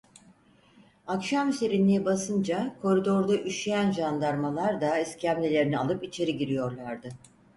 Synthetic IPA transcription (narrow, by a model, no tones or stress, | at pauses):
akʃamyseɾinːijbasɯnd͡ʒakʰo̞ɾid̪o̞ɾd̪aʔyʃijænʒand̪aɾmalˠaɾd̪aɛscʰæmlʲelʲe̞ɾinia̰lˠɯpit͡ʃʰe̞ɾiɟiɾijoɾlˠaɾd̪ɯ